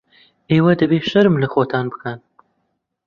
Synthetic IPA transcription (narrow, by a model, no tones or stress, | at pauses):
ʔeːwɐd̪ɐbeːʃɐɾɨmlɐxoːt̪ʰaːnbɨkʰan